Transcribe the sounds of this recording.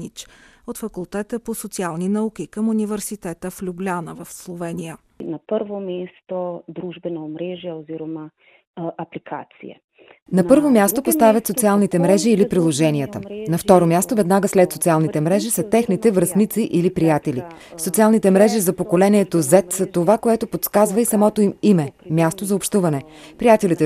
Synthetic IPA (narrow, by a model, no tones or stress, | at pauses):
it͡ʃot̪fɐkulˠt̪ɛt̪əposot̪sialˠninɐuk̟ʲikəmunivɛɾsit̪ɛt̪əflʲublʲanəvɐfslˠovɛnijə | nɐpəɾvomɛst̪od̪ɾuʒbɛnomɾɛʒiɛoziɾoma | ʔɐplikʰa̰t̪sḭɛ̰ | nɐpɤɾvomʲjast̪opost̪avʲɐt̪sot̪sialˠnit̪ɛmɾɛʒiːlipɾilˠoʒɛniət̪ənɐft̪ɔɾomʲjast̪ovɛd̪naɡəslɛt̪sot̪sialˠnit̪ɛmɾɛʒisɐt̪ɛxnit̪ɛvɾɐsnit̪siʔilipɾijat̪ɛlisot̪sialˠnit̪ɛmɾɛʒizɐpokolɛniɛt̪ozɛt̪zɐt̪ovakoɛt̪opot̪skazvəisɐmɔt̪oimimɛmʲjast̪ozɐopʃt̪uvɐnɛ | pɾijat̪ɛlit̪ɛ